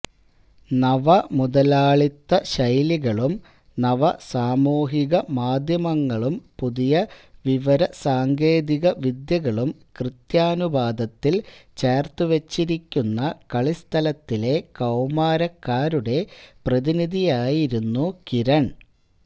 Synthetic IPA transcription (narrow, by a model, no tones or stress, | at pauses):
nɐʋɐmud̪ɐlaːɭit̪ːɐɕɐjliɣɐɭum | nɐʋɐsaːmuːɦiɣɐmaːd̪ʱjɐmɐŋːɐɭumpuðijɐʋiʋɐɾɐsaːŋɡeːd̪iɣɐʋid̪jɐɣɐɭumkrɨt̪jaːnubaːd̪ɐt̪ːilt͡ɕeːrt̪uʋet͡ɕːiɾikʲːunːɐkɐɭist̪ʰɐlɐt̪ːile̞kɐwmaːɾɐkːaːɾuɽe̞prɐðiniðijaːjiɾunːukiɾɐɳ